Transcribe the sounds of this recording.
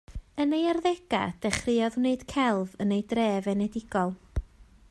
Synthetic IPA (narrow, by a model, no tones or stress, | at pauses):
ənejarðɛɡ̥a̰d̥ɛχrɨɔðuneɨd̥kʰɛlˠvənejdreːvɛnɛdɪɡ̥ɔlˠ